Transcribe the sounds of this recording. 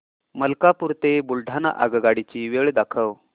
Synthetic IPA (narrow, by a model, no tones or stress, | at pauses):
məlkapuɾt̪ebulɖʱana̰ʔa̰ɡɡaɽit͡ɕiːʋeɭd̪akʰəʋ